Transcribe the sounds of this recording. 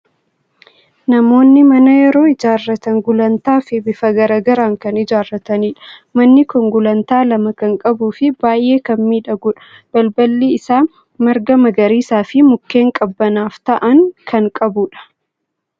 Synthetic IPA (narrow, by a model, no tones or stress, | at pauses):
nɐmo̞ːnːɪmɐnɐjɛɾo̞ːɪd͡ʒaːrːɐt̪ɐŋɡʊlɐnt̪aːfɪbɪfɐɡɐɾaːɡɐɾaːŋkɐnɪd͡ʒaːrːɐt̪ɐniːᶑɐ̥mɐnːɪkʊŋɡʊlɐnt̪aːlɐmɐkɐŋkʼɐbuːfɪbaːjʔe̞ːkɐmmiːᶑɐɡʊᶑɐ̥b̥ɐlbɐlːiːɪsaː | mɐɾɡɐmɐɡɐɾiːsaːfɪmʊkːe̞ːŋkʼɐbːɐnaːft̪ɐʔɐŋkʰɐŋkʼɐbuːᶑɐ̥